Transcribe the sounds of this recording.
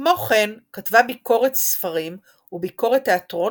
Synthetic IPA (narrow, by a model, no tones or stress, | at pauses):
mo̞χe̞nkatvabiko̞ʁet̪sfaʁim | ubiko̞ʁet̪ːeat̪ʁo̞